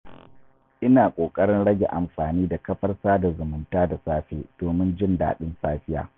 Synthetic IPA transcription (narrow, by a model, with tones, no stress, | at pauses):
ʔɪ˦naː˨kʷʼoː˨kʼɐ˦ɽɪ˦nɽɐ˦ɡʲḛ˨ʔa̰˨mɸaː˨niː˦da˨kɐ˦ɸɐ˦rsaː˦da˨zʊ˨mʊ˦ntaː˦da˨saː˦ɸḛː˦d̥oː˨mɪ˦nd͡ʒɪ˦nda̰ː˨ɗɪ˦nsaː˦ɸɪ˦ja̰ː˨